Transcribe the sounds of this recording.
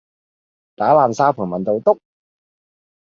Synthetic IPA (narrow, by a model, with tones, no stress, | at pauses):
t̪aː˨˥laː˨nsaː˧˥pʰuː˨˩mɐ˨nt̪o˨˧wt̪ʊ˥k̚